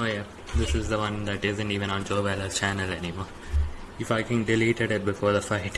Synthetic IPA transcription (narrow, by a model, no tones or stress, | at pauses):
ojɛ | d̪ɪsɪzd̪əwʌ̃nd̪æʈɪzə̃nʈiːʋə̃ñɔ̃nd͡ʒoːʋɛlət͡ʃænəlɛnimɔːɾ | ɪfaɪkɛ̃n̚ɖɪliːʈɛɖɪʈ̚bɪfɔːɾðəfaɪʈ